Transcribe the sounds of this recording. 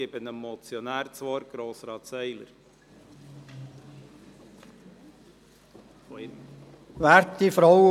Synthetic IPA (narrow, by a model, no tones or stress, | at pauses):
ɪbənəmmɔt͡sjɔnæːɾt͡sʋɔːɾɡ̥ɾoːsɾɑːt̪sɛɪlə̰ɾ | fɔɪ | ʋæːɾtifɾɔwə